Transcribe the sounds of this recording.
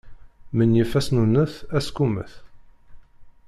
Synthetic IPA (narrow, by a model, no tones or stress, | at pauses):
mənjəfæsnunəθæskumə̰θ